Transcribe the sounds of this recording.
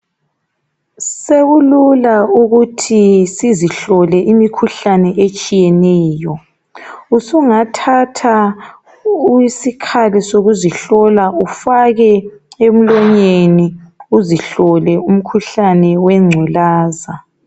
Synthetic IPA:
seɣululauɣutʰisiziɬɔlɛʔimikʰuɬanɛʔet͡ʃʼijɛnɛːjɔ | usuŋatʰatʰa | isikʰalisoɣuziɬɔlaʔufaɣɛem̩lɔɲeniuziɬɔlɛum̩kʰuɬanɛwɛŋ͡ǀʱulaːza

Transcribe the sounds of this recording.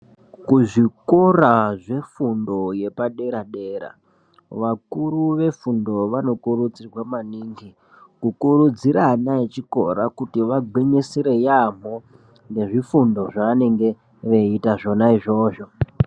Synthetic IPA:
kuʐikoɾaʐe̞fundo̞je̞paɗe̞ɾaɗeːɾa̰ | ʋakuruʋe̞fundo̞ʋano̞kurud͡zirwamaniːŋɡi | kukuɾud͡ziɾanaet͡ʃiko̞̰ɾakutiʋaɡweɲeseɾe̞jam̤o | nde̞ʐifundo̞ʐaʋane̞ŋɡe̞ | ʋeitaʐo̞naiʐo̞ːʐo̞

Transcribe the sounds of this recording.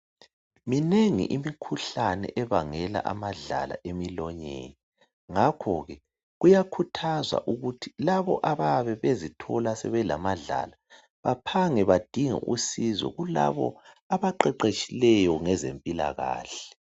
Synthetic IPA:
mineŋḭʔimikʰuɬanɛ̰ʔɛβaŋɛla̰ʔamaɮa̰la̰ʔemilɔɲḛːni | ŋakʰɔɣɛ | ɣujakʰutʰazwa̰ʔuɣutʰi̥laβɔ̰ʔaβaβɛβezitʰɔlasɛβɛlamaɮa̰la | βapʰaŋɛβad̥ʱiŋɛ̰ʔusizwɛ̰ɣula̰βɔ̰ | aβaǃɛǃet͡ʃʼilɛjɔŋɛzempʼila̰ɣa̰ːɬɛ̥

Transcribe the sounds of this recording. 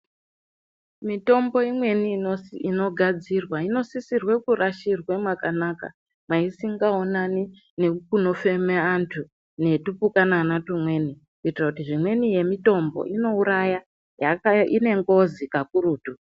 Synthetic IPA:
mito̞mbo̞imwe̞nioino̞ɡʱad͡zirwaino̞sisirwe̞kuraʃirwemwakanaka̰ | maisiŋɡao̞nani | nekuno̞fe̞meantʰu | ne̞tupukananatumwe̞ni | kuitirakutiʐimwe̞nije̞mito̞mbo̞̰ʔino̞uɾaja | jakaine̞ŋɡo̞zikakuɾuːtu

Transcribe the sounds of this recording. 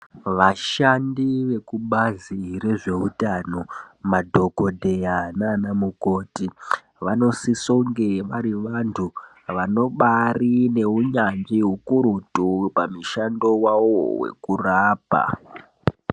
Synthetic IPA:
ʋaʃandiʋe̞kuɓazireʐe̞ɦutano̞madʱo̞ko̞dʱe̞jananamuko̞ːti | ʋano̞sisoŋɡeʋaɾiʋantʰu | ʋano̞ɓarine̞uɲand͡ʒiɦukuɾutupamiʃando̞wawo̰wḛkuraːpa̰

